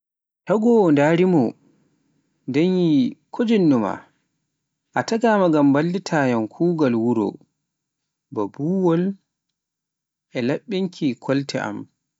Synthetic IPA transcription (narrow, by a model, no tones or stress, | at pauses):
taɡɔndaːɾimɔ | dɛnjikʰod͡ʒinːuma̰ | ʔataɡaːmaɡambalːitʰaːjamkʰuːɡalwuɾɔ̰ | babuːwɔl | ʔɛlaɓːiŋkʰikʰɔltʰɛ̰ʔa̰m